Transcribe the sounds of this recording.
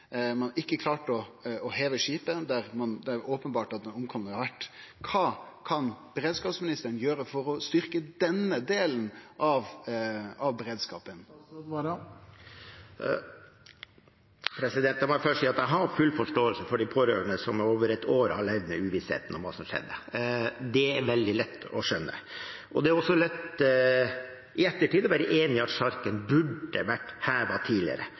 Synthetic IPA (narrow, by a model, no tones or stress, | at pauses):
mɑnɪkːəkʰlɑːʈɔɔheːʋəʂiːpəd̪æɾmɑnd̪æoːpənbɑːʈɑt̪̚d̪ɛnʊmkʰɔmənəɑɾʋæʈːkʰɑːkʰɑnb̥əɾeːd̪skɑːpsmɪnɪst̪əəɳ̩jøːɾəfɔɾɔst̪ʏɾkəd̪ɛnəd̪eːln̩ʔɑʋ | ɑʋbəɾeːd̪skɑ̰ːpən | pʰɾɛsɪd̪ɛnt̪ɑnmɑfœʂsiːɑt̪æɦɑɾfʉlːfɔʂʈoːəlsəfɔɖipʰoːɾø̰ːɾəɳəsɔmoːʋəɾɛt̪ʰoːɾəhɑɭɛʋd̪nəʉːʋɪshḛːt̪ənɔmʋɑ̰ːsɔmʂɛ̰d̪ːə | d̪ɛæɾʋɛld̪ɪlɛt̪ːɔ̰ʂœnːə̰ | ʔɔd̪ɛæɾɔsːɔlɛt̪ | ʔɪɛt̪ːəʈiːd̪ɔʋæːɾəʔeːnɪɑt̪ʂɑɾkənbʉɖəʋæʈːhæːʋɑt̪ʰiːdlɪ̰ə̰ɾə̰